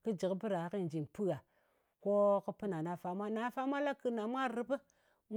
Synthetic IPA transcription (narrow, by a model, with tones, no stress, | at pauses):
kɨ˦d͡ʒi˨kbɨ˦ɾa˨˦ki˦˨n˨d͡ʒi˨npɨ˦ɡa˨ | ko˦kɨ˦pɨ˦na˨na˨fa˦mʷa˦na˨˦fa˦mʷa˦la˦kɨ˨na˨mʷ˦a˦˨ɾɨ˦pɨ˦ | m